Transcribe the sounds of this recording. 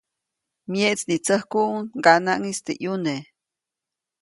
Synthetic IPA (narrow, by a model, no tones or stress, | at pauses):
mjeʔt͡snit͡səhkuʔuŋɡanaʔŋist̪ḛʔjune